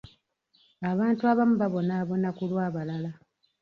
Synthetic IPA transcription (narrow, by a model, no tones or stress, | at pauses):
aβaːntuaβamuβaβo̞naːβo̞nakulwaːβalala